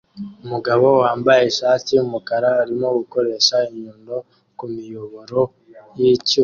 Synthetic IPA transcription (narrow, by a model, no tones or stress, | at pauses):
umuɡaβo̞waːmbaje̞ʃaːtiumukaɾaaɾimo̞ɡuko̞ɾe̞ːʃaiɲuːndo̞ | kumijoβo̞ɾo̞ | jici